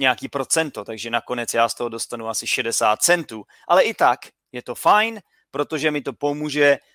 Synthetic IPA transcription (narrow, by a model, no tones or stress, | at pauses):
ɲɛakiːpɾo̞t͡sɛnt̪o̞t̪aɡʒɛnako̞nɛt͡sjaːst̪oɦo̞do̞st̪anuasɪʃɛdɛsaːt̪̚t͡sɛnt̪uː | ʔalɛʔɪt̪ak | jɛt̪o̞fajn | pɾot̪o̞ʒɛmɪt̪o̞po̞muːʒɛ